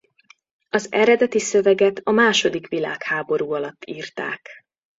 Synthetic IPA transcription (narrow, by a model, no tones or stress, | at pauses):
ɒzɛɾɛd̪ɛt̪isø̞vɛɡɛt̪ɒmaːʃo̞d̪ikʋilaːkhaːbo̞ɾuːɒlɒt̪ːiːrt̪a̰ːk